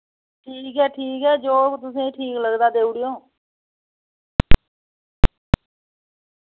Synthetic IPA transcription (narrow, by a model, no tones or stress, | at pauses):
ʈʰiːkɦɛːʈʰiːkɦɛːd͡ʒoːt̪ʊsĩːʈʰiːkləɡd̪aːd̪eːuɽɪjõː